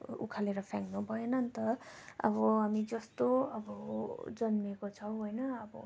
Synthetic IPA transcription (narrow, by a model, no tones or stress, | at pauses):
ṵkʰaleɾʌpʰaŋnubʱʌenʌnt̪ʌʌ̰bʌɦamid͡zʌst̪oʌbʌd͡zʌnmekot͡sʰʌwɦojnʌːbʌ̰